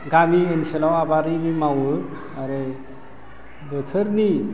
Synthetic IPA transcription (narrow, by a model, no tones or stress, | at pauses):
ɡamienɕelawabaɾiɾimawə | aɾe | bət͡sʰəɾni